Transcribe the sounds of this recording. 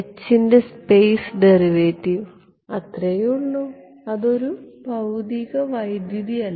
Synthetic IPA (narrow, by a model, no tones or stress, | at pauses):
t͡ɕːinde̞spejsɖeriʋeːtːiʋ | ɐt̪rejuɳːu | ɐðo̞ɾubʱɐwd̪iɣɐʋɐjd̪juðiɐlːɐ